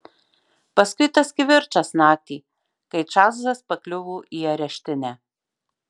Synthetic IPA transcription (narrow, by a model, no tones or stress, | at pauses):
pɐskʊɪt̪ɐskʲɪʋʲɪɾt͡ʃɐsnɑːt̪ʲiː | kɐɪt͡ʃɑːzzɐspɐklʲʊʋuːʔiːɐɾʲɛʃʲt̪ʲɪnʲæː